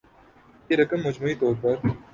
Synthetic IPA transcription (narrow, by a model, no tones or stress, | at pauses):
keɾɐkəmːɐd͡ʒmuːit̪ɔːɾpɐɾ